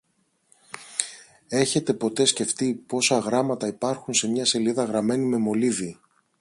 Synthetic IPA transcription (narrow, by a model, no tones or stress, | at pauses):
e̞çe̞t̪e̞po̞t̪e̞sce̞ft̪ipo̞sɐɣɾɐmɐt̪ɐipɐɾxunse̞mɲɐse̞liðɐɣɾɐme̞nime̞mo̞liði